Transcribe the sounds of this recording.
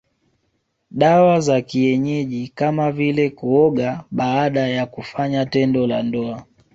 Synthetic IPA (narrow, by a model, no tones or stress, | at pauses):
ɗawazakiɛɲɛʄikamavilɛkuɔɠaɓaːɗajakufaɲatɛndɔlandɔa